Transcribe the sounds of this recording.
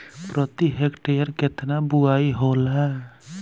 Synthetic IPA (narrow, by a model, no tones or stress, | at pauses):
pɾʌt̪iɦekʈejəɾket̪nabuaiɦola